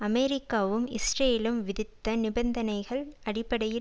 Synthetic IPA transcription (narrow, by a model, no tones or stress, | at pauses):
ɐmeɾɪkːaːʋɯmɪsɾeːlɯmʋɪðɪt̪ːɐnɪbɐnd̪ɐnɐɪɣɐɭɐɽɪpːɐɽɐjɪ